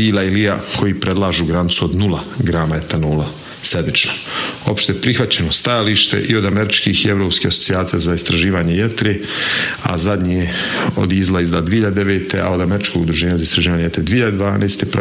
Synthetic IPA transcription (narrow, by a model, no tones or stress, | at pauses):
iːlailijakʰo̞jipɾed̪lˠaːʒuːɡɾanit̪suod̪nulˠaɡɾaːmaet̪anuːla | sed̪mit͡ʃnoo̞pʃt̪eepɾixʋat͡ɕe̞nost̪ajaliːʃt̪ḛʔio̞d̪ameɾit͡ʃkiːxieʋɾo̞ːpskiːaso̥tsijaːt̪sijazaist̪ɾaʒiːʋaːɲejet̪ɾe | a̰zad̪ɲieo̞̰d̪izlˠaizd̪aːd̪ʋieiʎad̪ed̪eʋeːt̪ea̰od̪ameɾit͡ʃkoɡud̪ɾuʒeːɲazaist̪ɾaʒiːʋaːɲejet̪ɾed̪iːʎad̪ed̪ʋaːnʔeːst̪epɾ